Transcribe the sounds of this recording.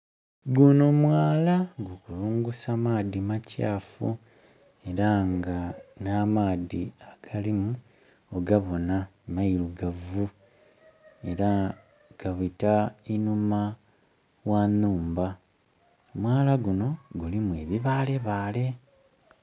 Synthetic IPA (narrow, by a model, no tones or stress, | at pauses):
ɡuno̞mwaːlaɡukuluːŋɡusamaːðimaca̰ːfṵ | e̞ɾaŋɡanamaːdiaɡ̥alimu | oɡaβo̞namailuɡavu | e̞ɾa | ɡ̥aβitainuma | wanuːmba | mwaːlaɡuno̞ɡulimwe̞ːβiβaːle̞βaːle̞